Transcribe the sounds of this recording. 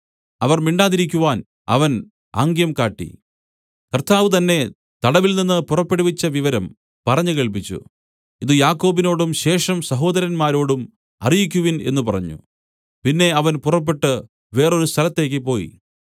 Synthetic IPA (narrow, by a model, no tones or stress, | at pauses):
ɐʋɐrmiɳɖaːðiɾik̬ʲːuʋaːn | ɐ̰ʋɐn | a̰ːŋɡjɐmkaːʈːḭ | kɐrt̪ʰaːʋɨt̪ɐnːe̞ | t̪ɐɽɐʋilninːɨpurɐpːeɽuʋit͡ɕːɐʋiʋɐɾɐm | pɐrɐɲːukeɭp̬it͡ɕːṵ | iðɨjaːkːo̞ːbino̞ːɽumɕe̞ːʂɐmsɐɦo̞ːd̪ɐɾɐnmaːɾo̞ːɽum | ɐ̰rijikʲːuʋine̞̰nːupɐrɐɲːṵ | pinːe̞ɐʋɐnpurɐp̬ːe̞ʈːɨ | ʋe̞ːro̞ɾust̪ʰɐlɐt̪ːe̞ːk̬ʲːɨpo̞ːjḭ